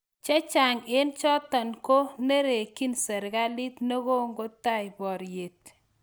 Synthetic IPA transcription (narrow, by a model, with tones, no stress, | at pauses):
t͡ʃɛ˦t͡ʃa˨ŋɪ˦nt͡ʃɔ˦t̪ɔ˨nko˦ne˦ɾe˨ki˦nsɛ˨ɾɡa˦lɪ˦t̪no˦ɡo˦ŋɡo˦ta˦˨ɪ˨bɔ˨ɾje˨t̪